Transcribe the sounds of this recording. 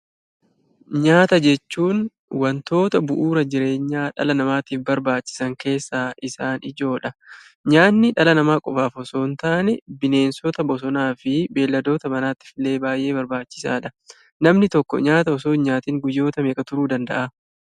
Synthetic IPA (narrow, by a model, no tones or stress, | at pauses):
ɲaːt̪ɐd͡ʒɛt͡ʃːuːn | wɐnt̪o̞ːt̪ɐbʊʔuːɾɐd͡ʒɪɾe̞ːɲːaːᶑɐ̰lɐnɐmaːt̪iːfbɐɾbaːt͡ʃːɪ̥sɐŋke̞ːsːaːʔɪsaːnɪd͡ʒo̞ːᶑɐ | ɲaːnːɪᶑɐlɐnɐmaːkʼɔfaːfɔso̞ːnt̪aʔɐnɛbɪne̞ːnsɔt̪ɐbɔs̬ɔnaːfɪbe̞ːlːɐd̪o̞ːt̪ɐmɐnaːt̪ːɪ̥fɪle̞ːbaːjʔe̞ːbɐɾbaːt͡ʃːɪ̥sa̰ːᶑɐ | nɐmnɪt̪ɔkːɔ̰ɲaːt̪ɐɔso̞ːɲaːt̪iːŋɡʊjːo̞ːt̪ɐme̞ːkʼɐt̪ʊɾuːd̪ɐnd̪ɐ̰ʔa